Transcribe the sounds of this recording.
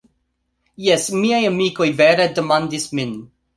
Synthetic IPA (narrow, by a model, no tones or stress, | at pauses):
jɛsmiajamiko̞jveɾedemandismin